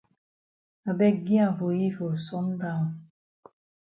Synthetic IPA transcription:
a˨bɛ˦ɡi˦ã˨vo˨ji˦vo˨sɔ˦n˦da˦˨

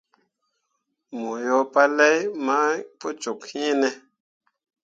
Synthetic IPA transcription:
mo˨jo˦pa˦lɛ˦jma˦po˦t͡ʃu˨khĩ˦nɛ˧

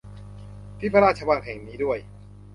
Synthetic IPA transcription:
p̪ʰiː˦˥˩pʰa˧ɾaː˥˩t̚t͡ɕʰa˧wa˧nɦɛː˨˩ŋniː˦˥du˥˩əj

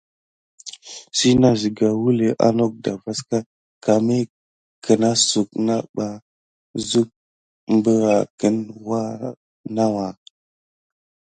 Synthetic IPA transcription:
si˦na˦zi˨ɡa˨wu˦le˨ʔa̰˦no˦k̚da˨va˦ska˦ | ka˨me˦ | kə˨na˦su˨k̚na˦ɓa˨ | zu˦k̚ | mbə˦ɾa˨kə˦nwa˦ | na˦wa˨

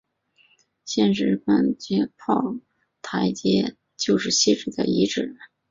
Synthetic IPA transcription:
ɕjɛ˥˩nʂɻ̩˧˥pə˥˩nt͡ɕjɛ˥pʰɑ˥˩ʊ | t̪ʰa˧˥ɪt͡ɕjɛ˥ | t͡ɕjo˥˧ʊʂɻ̩˥˧ɕi˥˧ʈ͡ʂɻ̩˨˩d̪ə̰˩i˧˥ʈ͡ʂɻ̩˨˩˦

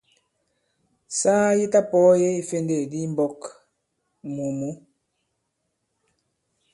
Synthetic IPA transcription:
saː˦ji˦ta˦pɔ˨˦je˦i˦fe˦nde˨di˦m˦bɔ˦k | mu˨mu˦

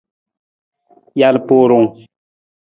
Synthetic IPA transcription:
ja˦lpo˦ɾʊ˨ŋ

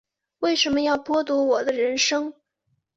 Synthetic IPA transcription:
we˥˩ɪʂə˧˥nmə˧jɑ˥˩ʊpwɔ˥t̪u˧˥wɔ˨˩d̪ə˦ɻə˧˥nʂɤ˥ŋ

